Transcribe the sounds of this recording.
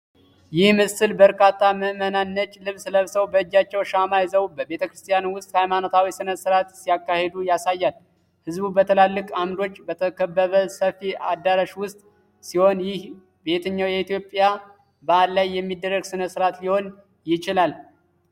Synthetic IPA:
jɪhmɨsɨlbəɾkʰat̪ʰːaməmənanːət͡ʃʼːlɨβsləβsəwbəd͡ʒːat͡ʃːɛwʃamajzəwubəbe̞t̪ʰəkɾɨst̪ʼijanwʊst̪ʼhajmanot̪ʰawisɨnəsɨɾat̪sijakːahed̪ujasajːal | hɨzbubət̪ʰəlalːɨkʼamd̪o̞t͡ʃːbət̪ʰəkʰəbːəβəsəfiʔad̪ːaɾaʃwʊst̪ʼ | siho̞njɪh | be̞t̪ʰəɲːawjɛit̪ʰjo̞pʼija | bəad̪lajːɛmːid̪ːərːəɡsɨnəsɨɾat̪liho̞n | jɪt͡ʃɪlal

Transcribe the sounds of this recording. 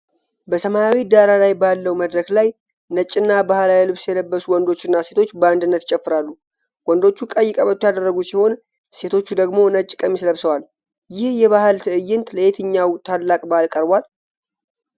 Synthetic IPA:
bəsəmajawid̪aɾalajbalːəwməd̪ɾəklaj | nət͡ʃʼːɨnːabahɨlajɛlɨβsjɛləbːəsuwɔnd̪o̞t͡ʃːɪnːase̞t̪ʰo̞t͡ʃːbəand̪ɨnːət̪t͡ʃʼɛfːɨɾalːu | wɔnd̪o̞t͡ʃːukʼəjːɪkʼəβət̪ːjad̪ərːəɡusiho̞n | se̞t̪ʰo̞t͡ʃːud̪əɡmo̞nət͡ʃʼːkʼəmisləβsəwal | jɪhjɛβahɨlt̪ʰɨʔɨjːɪnt̪ʰləjet̪ʰɨɲːawt̪ʰalːakʼbahɨlkʼəɾbʷal

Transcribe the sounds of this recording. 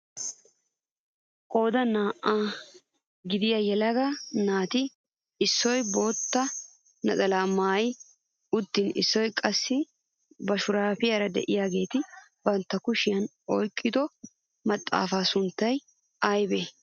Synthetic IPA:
kʼo̞ːd̪ɐnaːʔaː | ɡɪd̪ɪjajɛlɐɡanaːt̪ɪ | ɪsːɔjbo̞ːt̪ːɐ | nɐt̪ʼɐlaːmaːj | ʊd̪ːɪnɪ̰sːɔjkʼɐsːɪ | bɐʃʊɾaːpɪjɐɾɐd̪ɛ̰ʔɪjaːɡe̞ːt̪ɪ | bɐnt̪ːɐkʊʃɪjɐn | ɔjkʼːɪd̪ɔ | mɐt̪ʼːa̰ːfaːsʊnt̪ːɐj | ɐjbeː

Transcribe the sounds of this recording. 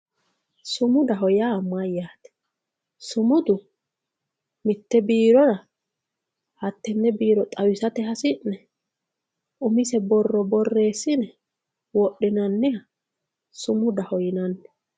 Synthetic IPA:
sʊmʊd̪ɐɦɔjaːmɐjaːt̪ɛ̥ | sʊmʊd̪ʊ | mɪt̪ːɛbiːɾɔɾɐ | hɐt̪ːɛnːɛbiːɾɔt̪ʼɐwɪsɐt̪ɛɦɐsɪnːɛ | ʔʊmɪsɛbɔrːɔbɔrːe̞ːsːɪnɛ | wɔɗːɪnɐnːɪɐ | sʊmʊd̪ɐhɔjɪnɐnːɛ̥

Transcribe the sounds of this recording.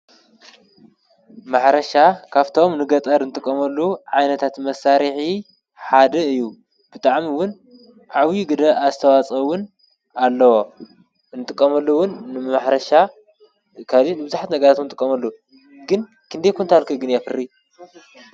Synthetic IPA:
maħɾɐʃakʰaβt̪ʰomnɨɡɐt̪ʼɐɾɨnɨt̪ʼɨkʼːɐmɐlːuʕajnɐt̪ʰat̪mɐsaɾiħi | ħad̪ɐɨjːu | b̥ɨt̪ʼaʕmiwʊn | ʕawiɡɨd̪ɐazɨt̪ʰɐwat͡sʼɐwʊn | alːɐwo | nɨt̪ʼɨkʼːɐmɐlːuwʊnːɨmaħɾɐʃa | kʰalinɨbɨzaħt̪nɐɡɐɾat̪umnɨt̪ʼɨkʼːɐmɐlːu | ɡɨn | kʰɨnd̪ejkʰunt̪ahalkʰɨɡɨnjafɨrːi

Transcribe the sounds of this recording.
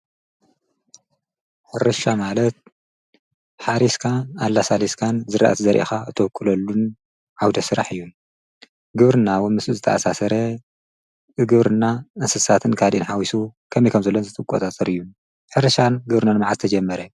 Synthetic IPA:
ħɨɾɐʃamalɐt̪̚ | ħaɾiskʰaalːasaliskʰanzɨɾʔa̰ʔa̰t̪ʰizɐɾʔḭxaʔɨt̪ʰɐwkʰːɨlɐlːun | ʕawd̪ɐsɨɾa̰ħɨjːu | ɡɨβɾɨnawnmɨsuzɨt̪ʰɐ̰ʔasasɐɾɐ | ɨɡɨβɾɨnaʔɨnsɨsat̪ʰɨnkʰad̪ʔinħawisukʰɐmijkʰɐmzɐlːonzɨt̪ʰɨkʼot̪ʼat̪ʼɐɾɨjːu | ħɨɾɐʃanɡɨβɾɨnanmaʕat̪ɨt̪ʰɐd͡ʒɐmːɐɾɐ

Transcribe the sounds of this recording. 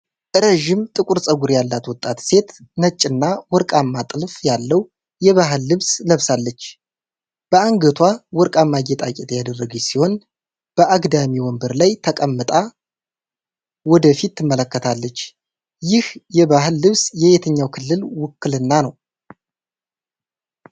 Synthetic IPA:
ʔɨɾəʒɪmt̪ʼɨkʼuɾsʼəɡuɾjalːat̪wɔt̪ʼːat̪se̞t̪nət͡ʃʼːɨnːawɔɾkʼamːat̪ʼɨlfjalːəw | jɛβaɦɨlːɨβsləβsalːət͡ʃː | b̥əaŋɡət̪ʰwawɔɾkʼamːaɡet̪ʼakʼɛt̪jad̪ərːəɡisiho̞n | b̥əʔaɡd̪amiwɔmbəɾlajt̪ʰəkʼəmːɨt̪ʼa | wɔd̪əfit̪ʰːɨmːələkːət̪ʰalːət͡ʃː | jɪhjɛβahɨlːɨβsjɛβet̪ʰəɲːawkʰɨlːɨlwʊkːɨlɨnːanəw

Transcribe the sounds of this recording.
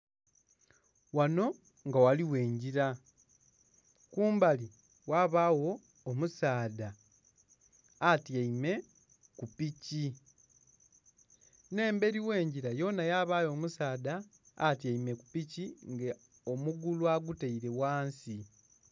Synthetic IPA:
wano̞ | ŋɡawaliwe̞ːɲɟiɾa | kuːmbali | waβawo̞ː | musaːda | tjaime̞ | kupici | ne̞ːmbe̞ɾiwe̞ːɲɟiɾajo̞najaβajo̞ːmusaːdaː | tjaime̞kupiciŋɡe | omuɡulwaɡuteiɾe̞waːnsi

